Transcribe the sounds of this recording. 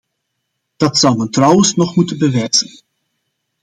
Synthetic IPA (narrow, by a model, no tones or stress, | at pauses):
d̥ɑtsʌwˠmɛntrʌwənsnɔχmutənbəʋɛjz̥ən